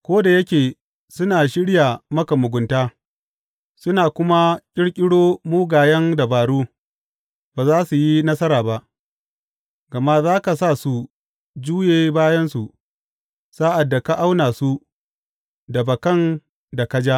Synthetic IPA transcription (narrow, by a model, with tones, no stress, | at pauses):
kʷoː˦da˨jɐ˦kʲeː˨ | sʊ˦naː˨ʃɪ˦ɽja˨mɐ˦ka˨mʊ˨ɡʷʊ˨ntaː˦ | sʊ˦naː˨kʷʊ˦ma˦kʲʼɪ˦ɽkʲʼɪ˦ɽoː˦muː˦ɡaː˨jɐ˦nda˨baː˨ɽuː˦ | baː˨zaː˦su˨ji˦nɐ˦sɐ˦ɾaː˨ba˦ʔ | ɡɐ˨ma˦zaː˦ka˨saː˦˨su˨ | d͡ʒuː˦jeː˦baː˦jɐ˦nsu˨ʔ | saː˦ʔa˨dːa˨ka˦ʔa˦wnaː˨su˦ | da˨bɐ˨kɐ˦˨n | da˨kɐ˦d͡ʒa˦